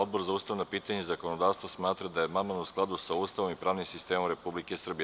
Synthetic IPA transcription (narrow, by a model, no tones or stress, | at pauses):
od̪̚boɾzaust̪aʋnopiːt̪aɲaizakonod̪aʋst̪vasmaːt̪ɾad̪ajemamanusklˠad̪usaust̪aʋomipɾaːʋnimsist̪emomɾepublikesr̩bi